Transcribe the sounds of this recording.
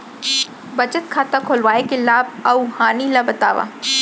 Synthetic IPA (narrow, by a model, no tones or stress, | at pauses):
bɐt͡ʃət̪̚kʰaːt̪akʰoːlʋaːekelaːb̚ɐuhaːnilabɐt̪a̰ːʋa̰ː